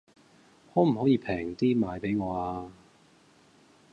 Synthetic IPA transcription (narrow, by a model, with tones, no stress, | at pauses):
hɔː˨˥m̩˨˩hɔ˨˥jiː˧pʰɛː˨˩ŋt̪iː˥maː˨˧jpe˨˥jŋɔː˨˧aː˧